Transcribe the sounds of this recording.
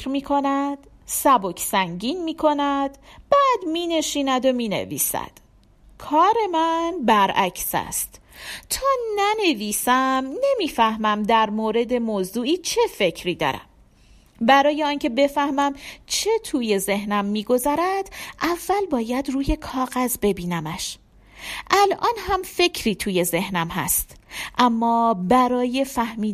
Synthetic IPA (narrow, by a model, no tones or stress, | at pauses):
ɾmiːkʰo̞næd̪̥ | sæbocʰsæŋɟiːnmiːkʰo̞næd̪̥b̥æːd̪miːne̞ʃiːnæd̪o̞miːne̞̰vḭːsæ̰d̪̥ | kʰɒːɾe̞mænbæɾʔæcʰsæ̰st̪t̪ʰɒːnæne̞viːsæmne̞miːfæhmæmd̪æɾmoːɾe̞d̪e̞moːzuːʔiːt͡ʃʰe̞fe̞cʰɾiːd̪ɒ̰ːɾæ̰m | bæɾɒːje̞ɒːncʰe̞be̞fæhmæmt͡ʃʰe̞t̪ʰuːje̞ze̞hnæmːiːɡo̞zæɾæd̪̥ʔævːælbɒːjæd̪ruːje̞kʰɒːɣæzbe̞biːnæmæʃ | ʔælʔɒːnhæmfe̞cʰɾiːt̪ʰuːje̞ze̞hnæmɦæ̰st̪ʔæmːɒːbæɾɒːje̞fæhmiː